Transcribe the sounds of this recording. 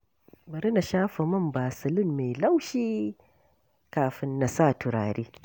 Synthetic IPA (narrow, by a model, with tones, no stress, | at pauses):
bɐ˨ɾɪ˦na˨ʃaː˦ɸɐ˨mɐ˦mbaː˨sɪ˨lɪ˦mːe˨jla˦wʃiː˦ | kaː˨ɸɪ˦nːa˨saː˦˨tʊ˨ɾaː˨ɾeː˦